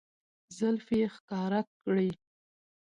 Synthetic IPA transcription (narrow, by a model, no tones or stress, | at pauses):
zalfexkɑɾa | ɽi